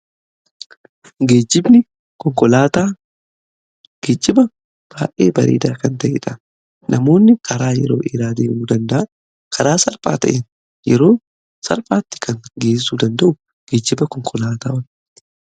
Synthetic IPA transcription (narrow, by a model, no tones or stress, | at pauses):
ɡe̞ːd͡ʒːɪbnɪ | kɔŋkɔlaːt̪aː | ɡ̥eːd͡ʒːɪbɐ | b̥aːʔḛːbɐɾḛːd̪aːkɐnt̪ɐʔɪ̰ᶑɐ | nʔɐmo̞ːnːɪkʰɐɾaːjɛ̰ɾo̞̰ːʔɪɾaːd̪eːʔuːd̪ɐnd̪ɐʔa | kʰɐɾaːsɐlfa̰ːt̪ɐʔen | jɛ̰ɾo̞ː | sɐ̰lfaːt̪ːɪ̥kʰɐŋɡeːsːuːd̪ɐnd̪ɐʔʊ | ɡ̥eːd͡ʒːɪbɐkɔŋkʰɔlaːt̪a̰ːwɐn